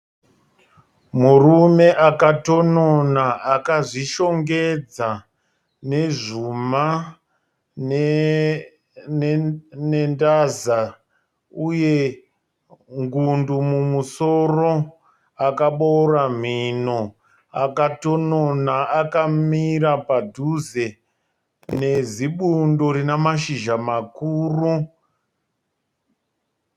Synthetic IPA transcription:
murume̞ʔakato̞nonaʔakaʐiʃo̞ŋɡe̞d͡za | ne̞ʐuma | n | nendaza | uje̞ | ŋɡundumumuso̞ro̞ | akaɓoram̤ino | akatononaakamiɾapadʱuze | neziɓundo̞ɾinamaʃiʒamakuːru

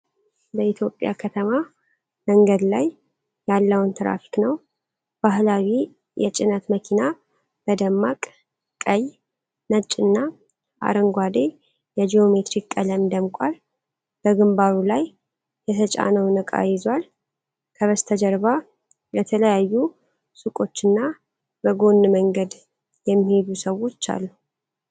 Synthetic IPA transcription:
ləit̪ʰjo̞pʼja̰kʰət̪ʰəma | məŋɡəd̪lajː | alːəwnt̪ʰɨɾa̰fi̥knəw | b̥aɦlawi | jɛt͡ʃʼɪnət̪məkʰina | b̥əd̪əmːakʼ | kʼəj | nət͡ʃʼːɨnːa | ʔa̰ɾəŋɡʷad̪e̞ | jɛd͡ʒijo̞me̞t̪ɾikːʼələmd̪əmkʼal | b̥əɡɨmbaɾulaj | jɛt̪ʰət͡ʃʼa̰nəwnəkʼa̰jɪzwal | kʰəβəst̪ʰəd͡ʒəɾβa | bət̪ʰələjajːu | sɨkʼo̞t͡ʃːɨnːa | bəɡo̞nːməŋɡəd̪ | jɛmːihed̪usəwo̞t͡ʃːa̰lːu

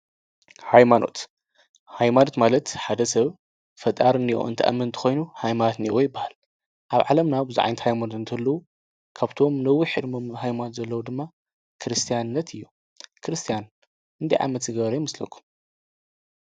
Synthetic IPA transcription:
hajmano̞̰t̪ | hajmanot̪malɐt̪ħad̪ɐsɐβ | fɐt̪ʼaɾɨnːiʔo̰ɨnt̪ʰɐʔɐ̰mːɨnɨnt̪ʰɐxo̞jnuhajmanot̪niwojɪbːahal | ʔaβʕalɐmnabɨzuʕa̰jnɨt̪hajmanot̪ɨnt̪ʰɐlːɐwu | kʰaβt̪ʰo̞mlɐwːiħɨd̪mo̞mhajmanot̪zɐlːɐwud̪ɨmːa | kʰɨɾɨst̪ʰijannːɐt̪ʰɨjːu | kʰɨɾɨst̪ʰijan | ʔɨnd̪ʰɐjʕa̰mɐt̪zɨɡɐβɾɐjɪmɐslɐ̰kʰːu̥m

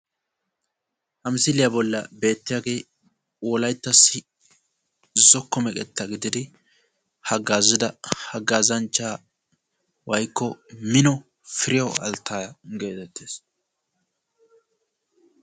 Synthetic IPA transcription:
hɐmsɪlɪjɐbɔlːɐ̰be̞ːt̪ːɪjaɡe̞ː | wɔlɐjt̪ːɐsːɪ | zɔkːɔmɛkʼɛt̪ːɐɡɪd̪ɪd̪ɪ | hɐɡːaːzɪd̪ɐhɐɡaːzɐnt͡ʃːaː | wɐjkːɔmɪnɔ | fɪɾɪjɐwɐ̰lt̪ʰːaːjɐɡe̞ːt̪ɛt̪ːeːs

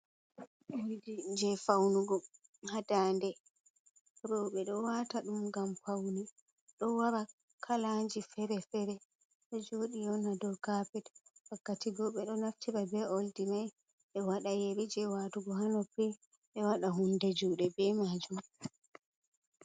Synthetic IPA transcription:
ʔoldid͡ʒɛfawnuɡɔ | hadandɛ | ɾɔɓɛɗɔwataɗumɡamfawni | ɗɔwaɾa | kʰalaɲd͡ʒifɛɾɛfɛɾɛ | ɗɔd͡ʒoːɗijɔnadɔkapɛtwakːatiɡɔɓɛɗɔnaftiɾabɛoldimaj | ɓɛwaɗajeɾid͡ʒɛwatuɡɔhanɔpɛ | ɓɛwaɗaɦundɛd͡ʒuːɗɛbɛmad͡ʒum

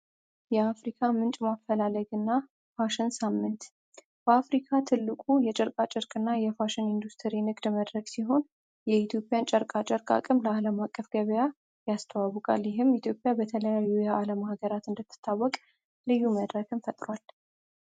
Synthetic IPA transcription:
jɛafɾikʰamɨnt͡ʃʼmafəlaləɡɨnːa | faʃɪnsamːɨnt̪ | b̥əafɾikʰat̪ʰɨlːɨkʼujɛt͡ʃʼɛɾkʼat͡ʃʼɪɾkʼɨnːajɛfaʃɪnind̪ust̪ʰəɾinɨɡʼd̪məd̪ɾəɡsiɦo̞n | jɛit̪ʰjo̞pʼjant͡ʃʼəɾkʼat͡ʃʼəɾkʼa̰kʼɨmləaləmakʼːəfɡ̥əβəja | jast̪ʰəwawəkʼa̰ljɪɦɨmit̪ʰjo̞pʼjabət̪ʰələjajːujɛʔaləmahɡəɾat̪ɨnd̪ət̪ʰːɨ̥t̪ʰːawːɔkʼ | lɨjːuməd̪ɾəɡɨmfət̪ʼɾwal

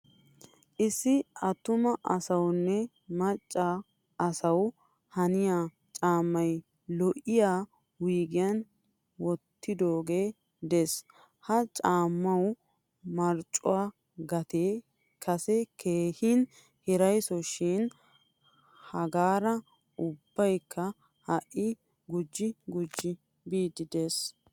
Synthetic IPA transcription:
ʔɪsːɪɐt̪ːʊmɐʔɐsɐwnːɛ | mɐt͡ʃʼːaː | sɐw | hɐnɪjaː | t͡ʃʼaːmːɐj | lɔʔɪjaː | wiːɡɪjɐn | wɔt̪ːɪd̪oːɡe̞ː | d̪ɛs | hɐt͡ʃʼaːmːɐw | mɐɾt͡ʃʼːʊwaː | ɡɐt̪eː | kʰɐsɛkʰeːhɪn | hɛɾɐjsɔʃɪn | hɐɡaːɾɐ | ʔʊbːɐjkːɐ | hɐʔːɪ | ɡʊd͡ʒːɪɡʊd͡ʒːɪ | biːd̪ɪd̪e̞ːs

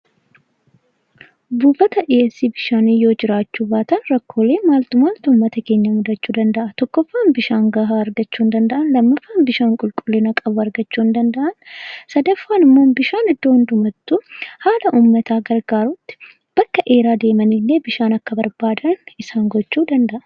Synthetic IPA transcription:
buːfɐt̪ɐʔeɛsːiːbɪʃaːniːjo̞ːd͡ʒɪɾaːt͡ʃːuːbaːt̪ɐnɾɐkʰːo̞ːleːmaːlt̪ʊmaːlt̪ʊːmːɐt̪ɐke̞ːɲːɐmʊd̪ɐt͡ʃːuːd̪ɐnd̪ɐʔɐt̪ɔkːɔfːaːnbɪʃaːŋɡɐɦaɐɾɡɐt͡ʃːuːnd̪ɐnd̪ɐʔɐnlɐmːɐfːaːnbɪʃaːŋkʼʊlkʼʊlːenɐkʼɐbʊɐɾɡɐt͡ʃːuːnd̪ɐnd̪ɐʔɐnsɐd̪ɐfːaːnɪmːo̞ːbɪʃaːnɪd̪ːoːhʊnd̪ʊmɐt̪ːuhaːlɐʔuːmːɐt̪aːɡɐɾɡaːɾʊt̪ːɪ̥ | b̥ɐkːɐʔe̞ːɾaːd̪e̞ːmɐnilːe̞ːbɪʃaːnɐkːɐbɐɾbaːd̪ɐnɪsaːŋɡɔt͡ʃːuːd̪ɐnd̪ɐʔɐ

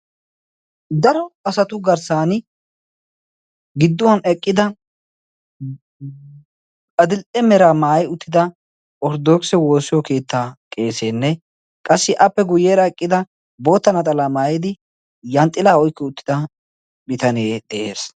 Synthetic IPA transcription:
d̪ɐɾɔɐsɐt̪ʊɡɐɾsaːnɪ | ɡɪd̪ːʊwɐnɛkʼːɪd̪ɐ | ɐd̪ɪlʼɛmɛɾaːmaːjʊt̪ːɪd̪ɐ | ʔʼɔɾd̪oːksɛwo̞ːsɪjɔke̞ːt̪ːaːkʼe̞ːseːnːɛ | kʼɐsːɪʔɐpːɛɡʊjeːɾɐɛkʼːɪd̪ɐ | bo̞ːt̪ːɐnɐt̪ʼɐlaːmaːjɪd̪ɪ | jɐnt̪ʼːɪlaːɔjkːɐʊt̪ːɪ̥d̪ɐ | bɪt̪ɐneːd̪ɛʔeːs

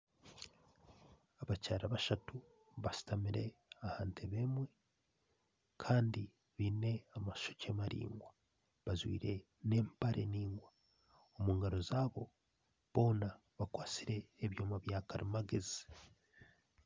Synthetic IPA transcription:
aβacaːɾaβaʃatu | βasi̥tamiɾe̞ahaːntʰeβe̞mwe̞ | kʰaːndi | βiːne̞amḁʃocemaɾḭːŋɡwa | βazwḭːɾe̞ | ne̞ːmpaɾʔeniːŋɡwa | omuːŋɡaɾo̞zaːβo̞ | βo̞ːna | βakwaːt͡siɾe̞ːβjo̞ːmaβjaːkaɾimaɡezi

